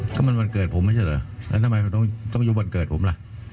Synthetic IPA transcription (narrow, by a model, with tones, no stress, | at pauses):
kɔ̰ː˥˩ma˧nwa˧nkɤː˨˩t̪̚pʰo˩˦ma˧˥˩t͡ɕa˧˩ləː˧˩lɛ̰˦˥t̪ʰa˧ma˧jʰa˧t̪ɔ˥˩ŋt̪ɔ˥˩ŋjuː˧˩wa˧nkɤː˨˩t̪̚pʰo˩˦mla˧˩ʔ